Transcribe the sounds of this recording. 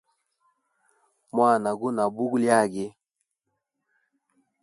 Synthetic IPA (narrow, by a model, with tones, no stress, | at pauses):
mwa˦˨na˨ɡu˦na˨bu˦ɡu˦lja˦˨ɡe˦